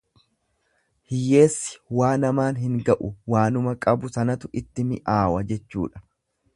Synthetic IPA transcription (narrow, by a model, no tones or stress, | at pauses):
hɪjːe̞ːsːɪ̥waːnɐmaːnɦɪŋɡɐʔʊwaːnʊmɐkʼɐbʊsɐnɐt̪ʊʔɪt̪ːɪmɪʔaːwɐd͡ʒɛt͡ʃːṵːᶑɐ̥